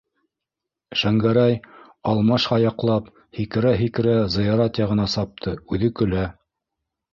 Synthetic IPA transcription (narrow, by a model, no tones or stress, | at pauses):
ʃæŋɡæɾæj | ɑlˠmɑʃhɑjɑqlˠɑp | hikɘ̆ɾæɦikɘ̆ɾæzɤ̆jɑɾɑt̪jɑʁɤ̆nɑsɑp̚t̪ʰɤʉðɘkɵ̆læ